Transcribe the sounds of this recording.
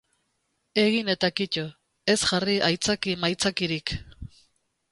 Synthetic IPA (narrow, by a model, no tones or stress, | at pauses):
e̞ɣine̞t̪akico | e̞sʝariʔajt͡sakimajt͡sakiɾik